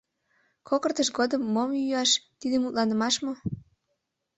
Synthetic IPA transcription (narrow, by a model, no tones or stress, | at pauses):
kʰokərt̪əʃɡod̪əmːomjyɑʃt̪id̪emut̪lɑnə̆mɑʃmo